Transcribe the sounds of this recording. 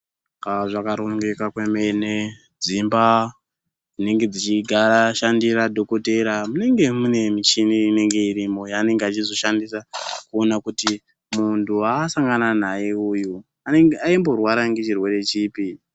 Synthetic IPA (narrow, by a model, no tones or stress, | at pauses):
kaʐakaɾoŋɡekakwemene | d͡zimba | d͡zine̞ŋɡe̞d͡zit͡ʃiɡʱaɾaʃandiɾadʱokote̞ɾamune̞ŋɡe̞mune̞mit͡ʃiniine̞ŋɡe̞iɾimo̞jaːne̞ŋɡeat͡ʃizo̞ʃandisakuonakuti | muntʰuasaŋɡananajeuju | ane̞ŋɡeaimbo̞rwaɾaŋɡe̞t͡ʃirwe̞ɾe̞t͡ʃiːpi